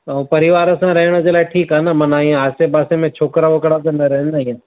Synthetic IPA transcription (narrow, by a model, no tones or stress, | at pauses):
pɐɾɪʋaːɾsãɾɐɦɽ̃od͡ʒelaeʈʰiːkɦanamɐnaːĩãaːsebaːsẽmẽt͡ʃʰoːkɾaʋɐkɽakɐnaɾɛɦnaːĩã